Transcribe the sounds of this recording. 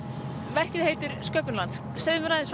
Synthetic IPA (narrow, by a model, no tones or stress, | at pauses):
vɛr̥cɪðheːjt̪ʏɾ̥skœːpʏnlant̪s | sejðʏmʏɾnaðɪnsv